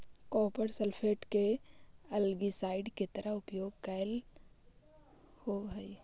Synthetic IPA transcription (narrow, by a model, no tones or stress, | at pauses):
kɔːpəɾsəlpʰeːʈkeɐlɡisaːɪɖket̪əɾəɦʊpjoːɡ̚kajl | hoɦəi